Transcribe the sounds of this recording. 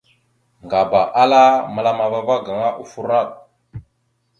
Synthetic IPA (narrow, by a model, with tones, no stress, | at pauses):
ŋɡa˨ba˨ʔa˦la˦ma˨la˦ma˨va˦va˦ɡa˨ŋa˦ʔu˦fu˦ɾa˦˨t̚